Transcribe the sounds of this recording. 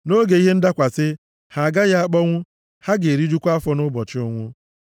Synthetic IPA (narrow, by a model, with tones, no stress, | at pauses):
no˦ɡe˨i˦ɦe˦n̩˦da˦kʷa˨sɪ˦ | ha˨a˨ɡa˦ja˦a˦k͡pɔ˦ŋʷʊ˦ | ha˦ɡe˨e˨ɾi˦d͡ʒu˦kʷa˦fɔ˦nʊ˦bɔ˨t͡ʃɪ˦ʊ˦ŋʷʊ˦